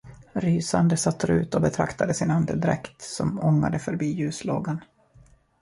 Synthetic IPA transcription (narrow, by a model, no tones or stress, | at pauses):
ɾyːsand̪əsat̪ːɾʉ̟ːt̪ɔbɛt̪ʰɾa̰kt̪ad̪əsɪnand̪əd̪ɪɾɛkt̪sɔmɔŋːa̰d̪əfœɾbiːjʉ̟ːsloːɡan